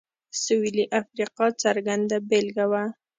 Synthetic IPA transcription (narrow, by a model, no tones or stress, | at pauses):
soiliʔafɾiqɑt͡saɾɡand̪abɪlɡawa